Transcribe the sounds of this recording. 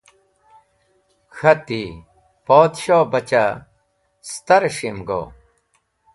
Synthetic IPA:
xʰɐt̪i | poːd̪ɕoːbɐt͡ɕa | st̪ɐɾɕimɡo̰ː

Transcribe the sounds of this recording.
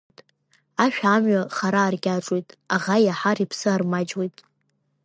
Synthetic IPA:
tʼ | aʃᶣamɥaχaɾaːrɡʲaʈ͡ʂʼwejtʼaʁajaħaɾipʰsɨarmad͡ʒwejtʼ

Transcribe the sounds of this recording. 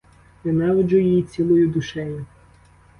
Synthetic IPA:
ʋɪnɛʋɔd͡ʒʊjijit͡sʲilˠɔjʊd̪ʊʃɛjʊ

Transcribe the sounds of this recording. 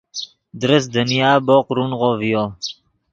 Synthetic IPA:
d̪ɾəsd̪ənijaːboːqɾunʁoːvijoː

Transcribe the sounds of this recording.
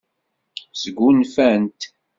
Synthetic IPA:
sɡʷunfænt̪

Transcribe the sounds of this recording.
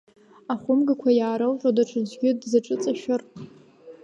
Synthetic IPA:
aχʷʊmɡakʷʰajaːɾɨlʒʷʼadaʈ͡ʂʰɨzʷɡʲɪdzaʈ͡ʂʼɨt͡sʼaʃᶣʊr

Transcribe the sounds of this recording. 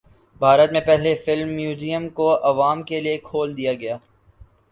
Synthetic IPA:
bʱaːɾət̪mẽpɛɦlefɪlmːjuːziːjəmkoʔɐʋaːmkeliekʰoːld̪ijaɡɐjaː

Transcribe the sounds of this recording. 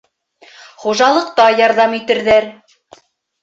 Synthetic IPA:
χuʒɑlˠɤ̆qt̪ɑjɑɾðɑmit̪ɘ̆ɾðæɾ

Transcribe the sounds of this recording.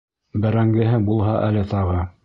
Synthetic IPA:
bɘ̆ɾæŋɡɘ̆ɦɘbulˠɦɑʔælɘt̪ɑʁɤ

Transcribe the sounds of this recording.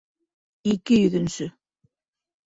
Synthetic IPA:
ikɘjɵ̆ðɵ̆nsɵ

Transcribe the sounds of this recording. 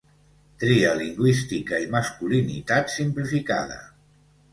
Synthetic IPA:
t̪ɾiəliŋɡwist̪ikəimaskulinḭt̪at̪simplifika̰ð̞ə̰

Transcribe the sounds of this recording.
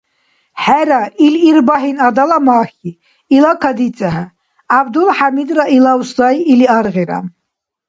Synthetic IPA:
ħæɾailiɾbaɦinad̪alamaːxi | ilakʰad̪it͡sʼaɦɛ | abd̪ulħamid̪ɾailawsd̪ajiliaɾʁiɾa̰

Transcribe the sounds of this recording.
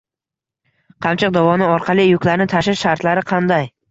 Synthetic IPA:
qʰɑmt͡ʃʰɪq̚d̪avɒnɪɒɾqʰɑlˠijʊkʲlaɾɪnɪt̪ʰaʃɪʃʃaɾt̪laɾɪqʰɑnd̪aj

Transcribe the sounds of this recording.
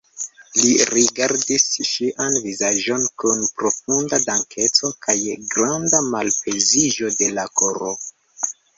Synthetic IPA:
liɾiɡaɾdisʃiʔanvizaʒo̞nkunpɾo̞fundadaŋkʰe̞t͡so̞kʰajɡɾandamalpezid͡ʒo̞de̞lakoɾo

